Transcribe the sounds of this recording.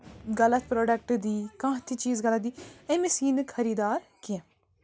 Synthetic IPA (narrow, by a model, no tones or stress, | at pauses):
ɡələt̪pɾoːɖək̚ʈd̪iːkãːt̪ʰiːt͡ʃiːzɡələt̪̚d̪iːẽːmɪsiːnkʰəɾiːd̪aːɾkɪɛ̃